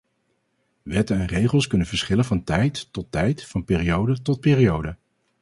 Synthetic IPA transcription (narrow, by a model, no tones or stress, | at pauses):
ʋɛtənɛnrejχəlˠskɵnənvəɹsχɪlənvɑntɛjtːɔtːɛjtfɑnpɪːrijowdətɔt̚pɪːɾijowdə